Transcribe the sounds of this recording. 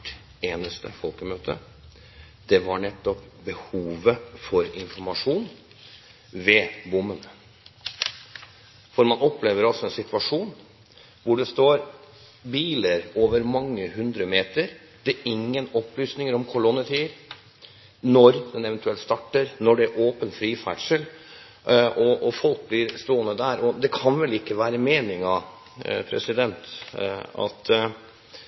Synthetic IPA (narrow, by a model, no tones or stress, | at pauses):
ʈ | eːnəst̪ə̰fɔlkəmøːt̪ʰə̰ | d̪̥ɛʋɑɳɛt̪ːɔpbəhuːʋəfɔɾɪnfɔɾmɑʂuːn | ʋeːbʊmːən | fɔɾmɑnɔpleːʋəɾɑlsɔɛnsɪt̪ʰʋɑʂuːn | ʋʊɖɛst̪oːɾ | biːləɾoːʋəɾmɑŋːəhʉnd̪ɾəmeːt̪əɾ | d̪̥ɛʔɪŋːənɔplyːsnɪŋəɾɔmkʰʊɭɔnːət̪ʰiːəɾ | nɔɾd̪ɛnɛʋɛnt̪ʉɛlt̪st̪ɑʈːəɾnɔɖɛæɾʔoːpənfɾiːfæ̰ʈʂəl | ʔɔʔɔfɔlk̚blɪɾst̪oːənəd̪æɾɔd̪ɛkʰɑnʋɛlɪkːəʋæːɾəmeːnɪŋɑ | pʰɾɛ̰sɪd̪ɛnt̪ | ɑ̰t̪